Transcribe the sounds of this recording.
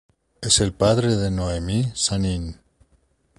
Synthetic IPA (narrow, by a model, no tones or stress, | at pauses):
eselpaðɾeðenoemisanin